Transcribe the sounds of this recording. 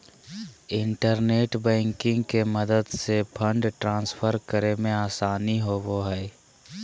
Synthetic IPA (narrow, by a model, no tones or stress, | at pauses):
ɪ̃ɳʈəɾneːʈbɛ̃ːŋkɪ̃ŋɡkeməd̪əd̪sepʰə̃ɳɖʈɾãːnspʰəɾkəɾemẽaːsaːniɦoʋoɦɛː